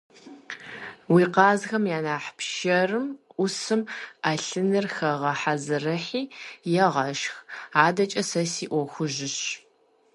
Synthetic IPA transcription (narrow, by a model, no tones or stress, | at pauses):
wiːqɑːzxɐmjaːnaːħpʃɐrɨmʷʊsɨmaɬɨnɨrxɐʁɐħazɨrɐħiːjɛʁɐʃxaːdɐt͡ʃʼɐsɐsiːʔʷɔxʷʊʒɪɕ